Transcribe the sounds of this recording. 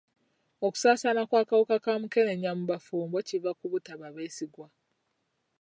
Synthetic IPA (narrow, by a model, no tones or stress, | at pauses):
o̞ku̥saːsanakwaːkawukakamuke̞neɲamuβafuːmbo̞civakuβutaβaβe̞ːsiɡwa